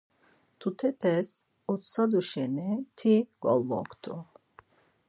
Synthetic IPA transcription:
t̪ʰut̪ʰɛpʰɛs | ɔt̪sad̪uʃɛnɛt̪ʰiɡ̥ɔ̰lvɔ̰kʰt̪ʰṵ

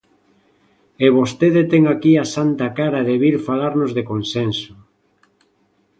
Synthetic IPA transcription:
eβost̪eðet̪ɛŋakiasant̪akaɾaðeβiɾfalaɾnozðekonsenso̥

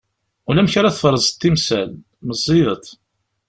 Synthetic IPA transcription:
ʊlæmçaɾaθfɾˤəzˤt̪ːimsæl | məzˤːiðət̪ˤ

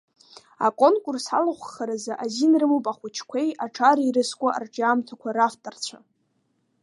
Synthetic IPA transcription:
a̰kʷʼonkʼʊrsa̰laχʷχaɾazaʔazinrɨmupʼaχʷʊt͡ʃʰkʷʰe̞jaʈ͡ʂʰaɾiɾɨskʷʼaʔa̰rʈ͡ʂʼaːmtʰakʷʰaɾaftʼart͡ɕʷʰa

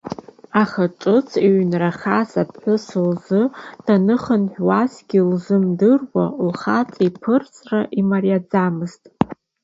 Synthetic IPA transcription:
aχaʈ͡ʂʼɨt͡sʰiʕnraχasap̚ʰħʷʊsɨlzɨd̥anɨχənħʷᶣwasɡʲilzɨmdɨrwalχat͡sʼipʰɨrt͡sʼraʔimarjad͡zamɨztʼ

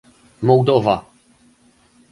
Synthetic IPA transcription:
mɔwd̪ɔva

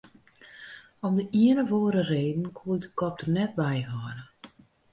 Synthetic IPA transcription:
ɔmdəʔiənəʋoːɾəreːdn̩kʰuəldəkɔp̚tərnɛt̚ʋɛjɦɔnə

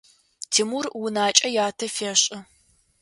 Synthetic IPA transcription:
tʰimurwʊnaːt͡ʃʼɐjaːtʰɐfeːɕʼɪ

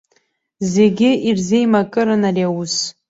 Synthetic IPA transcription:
zeɡʲɪirzejmakʼɨɾɨnariawus

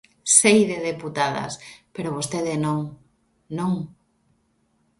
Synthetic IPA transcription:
sejðeðeput̪aðɐ̰speɾoβost̪eðenõŋ | nõŋ

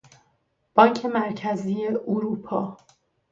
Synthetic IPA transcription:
b̥ɒːɲcʰe̞mæɾcʰæziːjeuɾuːpʰɒː

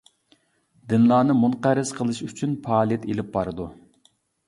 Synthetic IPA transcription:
d̪ɪnlˠɑːnɨmunqæɾɨz̥qʰəlˠɨʃyt͡ʃʰynpʰɑːlˠijɛt̪elɪp̚bɑɾɨd̪u

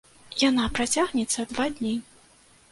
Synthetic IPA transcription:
janapɾat͡sʲaɣnʲɛt̪sːɐd̪vad̪ʲnʲi

